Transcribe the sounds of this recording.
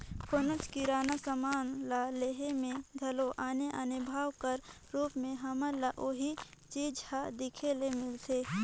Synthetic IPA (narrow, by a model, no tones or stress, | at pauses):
kʰonət͡ʃkiɾaːnasəmaːnlaleːɦemẽd̪ʱɐloʔaːneʔənʊbʱaːwkəɾ | ɾuːpmẽɦɐməlaʔoːɦit͡ʃiːd͡ʒhad̪ɪkʰelemɪlt̪ʰeː